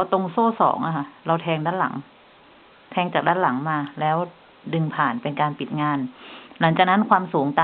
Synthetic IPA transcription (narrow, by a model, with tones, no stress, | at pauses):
a˧wt̪o˧ŋsoː˥˩sɔ̰ː˩˦ŋʔa˧kʰa˥˩ɾa˧wt̪ʰɛː˧ŋdaː˥˩nla̰˩˦ŋ | t̪ʰɛː˧ŋt͡ɕaː˨˩k̚daː˦˥nla˩˦ŋmaː˧lɛː˦˥w | dɯ˧ŋpʰaː˨˩npe˧nkaː˧npi˨t̪̚ŋaː˧nla˩˦ŋt͡ɕaː˨˩k̚na˦˥nkʰwaː˧msuː˩˦ŋt̪aː˧